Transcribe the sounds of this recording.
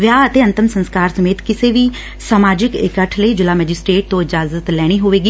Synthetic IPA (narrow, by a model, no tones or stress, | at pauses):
ʋjaːət̪eːə̃nt̪ɪmsə̃nskaːɾsəmeːt̪kɪseːʋiː | saːmaːd͡ʒɪkɪ̰kəʈʰləiːd͡ʒɪlaːmɛːd͡ʒɪsʈɾeːʈ̚t̪õːɪd͡ʒaːzət̪lɛːɽ̃iːɦoːʋeːɡiː